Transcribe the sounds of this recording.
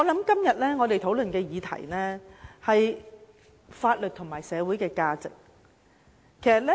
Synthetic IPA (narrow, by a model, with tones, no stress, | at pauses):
ŋŋɔː˨˧lɐ˨˥mkɐ˥mjɐ˨t̚lɛː˥ŋɔ˨˧e˨jt̪ʰo˨˥wlɵ˨nkɛː˧jiː˨˧t̪ʰɐ̰˨˩jnɛː˥hɐ˨j | faː˧t̚lɵ˨t̪̚ʰʊ˨˩ŋmaː˨˩jsɛː˨˧wu˨˥jkɛː˧kaː˧t͡sɪ̰˨k̚ | kʰːe˨˩jsɐ˨t̚lɛ˥